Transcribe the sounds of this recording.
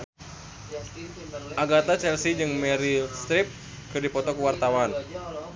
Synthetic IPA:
ʔaɡat̪at͡ʃɛlsid͡ʒɨŋmɛɾist̪ɾip̚ | kɨrdipɔt̪ɔkuwart̪awan

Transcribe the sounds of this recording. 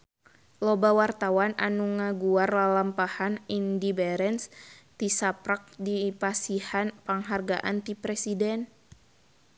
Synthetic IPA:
lobawart̪awana̰nuŋaɡuarlalampahanindibɛɾɛnst̪isapɾak̚dipasihanpaŋɦarɡa̰ʔa̰nt̪ipɾɛsidɛn

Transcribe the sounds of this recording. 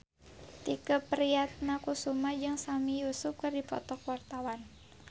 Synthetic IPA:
t̪ikəpəɾijat̪̚nakusumad͡ʒɨŋsamijusʊp̚kɨrdipɔ̰t̪ɔkwart̪awan

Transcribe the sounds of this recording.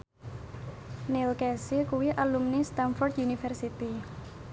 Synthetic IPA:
nilkɛsikuwiʔalumnist̪anfɔrt̪junifɛrsit̪i

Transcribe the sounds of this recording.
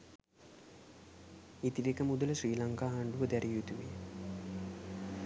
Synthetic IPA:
it̪ilekəmud̪uləʃriːlaŋkaːɦaɳɖuʋəd̪æɾijut̪uʋi

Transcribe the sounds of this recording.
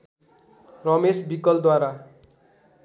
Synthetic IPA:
rʌmesbikʌld̪waɾa

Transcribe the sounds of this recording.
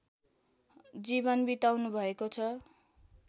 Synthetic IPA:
d͡zibʌnbit̪awnubʱʌekot͡sʰʌ

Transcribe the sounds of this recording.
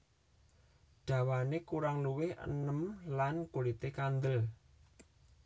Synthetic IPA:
ɖ̪̥a̤wanekuɾaŋluwɪhə̰nəmlankulit̪ekand̪əl

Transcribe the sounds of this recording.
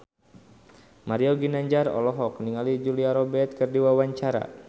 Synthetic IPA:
maɾiɔɡinaɲd͡ʒarɔ̰lɔɦɔk̚niŋalid͡ʒuliaɾɔbɛt̪̚kɨrdiwawaɲt͡ʃaɾa̰

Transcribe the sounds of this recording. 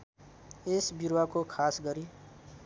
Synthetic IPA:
esbiɾwakokʰasɡʌɾi

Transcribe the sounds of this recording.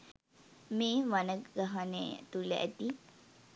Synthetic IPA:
meːʋanəkɡaɦanḛt̪uləʔæ̰t̪i

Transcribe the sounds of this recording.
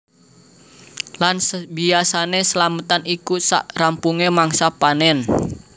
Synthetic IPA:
lansbiasanesəlamət̪anikusa̰ʔrampuŋemaŋsapanɛn

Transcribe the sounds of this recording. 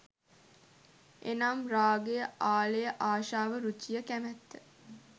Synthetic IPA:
ʔenamɾaːɡejəʔaːlejəʔaːʃaːʋəɾut͡ʃijəkæmæt̪ːə

